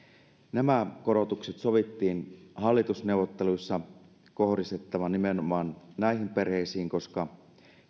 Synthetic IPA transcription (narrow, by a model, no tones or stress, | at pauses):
næmæko̞ɾo̞t̪ukset̪so̞ʋit̪ːiːnɦɑlːit̪usne̞uwʋːˑot̪ːeluisːɑ | ko̞hdist̪et̪ːɑʋɑnimenomɑːnnæiɦimpe̞rheisiːŋko̞skɑ